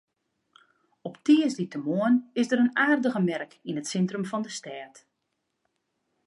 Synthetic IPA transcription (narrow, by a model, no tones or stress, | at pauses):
ɔptiəsditəmoənɪsdəɾənaːrdəɣəmɛrkinətsɛntrəmfɔndəstɛːt